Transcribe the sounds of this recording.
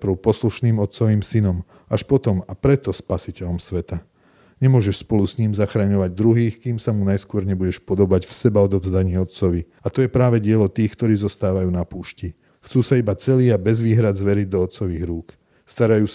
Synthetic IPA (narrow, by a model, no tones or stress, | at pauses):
pɾ̩ʊpɔsluʃniːmɔt̪t͡sɔʋiːmsinɔm | aʃpɔt̪ɔmapɾɛt̪ɔspasicɛʎɔmsʋɛt̪a | ɲɛmʊɔʒɛʃspɔlusɲiːmzaxɾaɲɔʋaɟ̚d̪ɾuɦiːxkiːmsamunajskʊɔɾɲɛbuɟɛʃpɔd̪ɔbaɟfsɛbaɔd̪ɔvzd̪aɲɪɛɔt̪t͡sɔʋi | at̪ɔjɛpɾaːʋɛɟɪɛlɔt̪iːxkt̪ɔɾiːzɔst̪aːʋajuːnapuːʃci | xt͡suːsaibat͡sɛliːabɛzʋiːɦɾad̪zʋɛɾiɟd̪ɔɔt̪t͡sɔʋiːɣɾuːk | st̪aɾajuːs